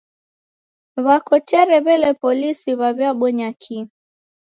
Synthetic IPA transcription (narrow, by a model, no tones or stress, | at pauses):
βakɔtɛɾɛβɛlɛpɔlisiβaβjaɓɔɲakʰi